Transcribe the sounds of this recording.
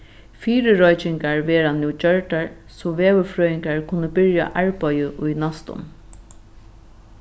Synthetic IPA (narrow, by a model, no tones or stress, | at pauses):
fiːɾɪɾɔjt͡ʃɪŋkaɹʋɛːɾanːɪwt͡ʃœɹʈaɹ | sɔʋeːʋəfɾœːɪŋkaɹkʰʊnːəbɪɹja̰ʔaɹpajəʔʊjnast̪ʊ̰m